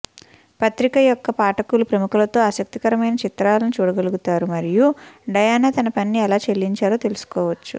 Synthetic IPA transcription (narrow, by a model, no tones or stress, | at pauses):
pɐt̪ɾikɐjɔkːɐpaːʈɐkulupɾɐmukulɐt̪o̞ːaːsɐk̚t̪ikɐɾɐmɐjnɐt͡ʃit̪ɾaːlɐnut͡ʃuːɽɐɡɐluɡut̪aːɾumɐɾijuɖɐjaːnaːt̪ɐnɐpɐnːiɛlaːt͡ʃe̞lːiɲt͡ʃaːɾoːt̪e̞lusu̥kɔːʋɐt͡ʃːṵ